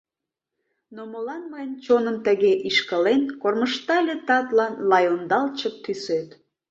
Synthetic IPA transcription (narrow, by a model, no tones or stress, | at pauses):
noməlɑnməjənt͡ɕonəmt̪əɣeʔiʃkəlenkorməʃt̪ɑlʲet̪ɑt̪lɑnlɑjond̪ɑlt͡ɕək̚t̪ːysøt̪